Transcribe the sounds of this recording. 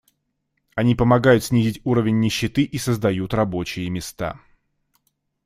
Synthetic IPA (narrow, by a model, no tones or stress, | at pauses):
ɐnʲipəmɐɡajʊt̪sʲnʲizʲɪtʲuɾəvʲɪnʲːɪɕːɪt̪ɨʔisəzd̪ɐjut̪rɐbo̞t͡ɕɪjəmʲɪst̪a̰